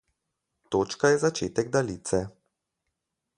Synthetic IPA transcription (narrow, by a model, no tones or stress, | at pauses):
t̪oːt͡ʃkajɛzat͡ʃeːt̪ɛɡd̪aliːt̪sɛ